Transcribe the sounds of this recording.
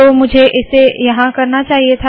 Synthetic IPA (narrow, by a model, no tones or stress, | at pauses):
omʊd͡ʒʱeʔɪssːejɐɦãkɐɾnat͡ʃaːɦiet̪ʰ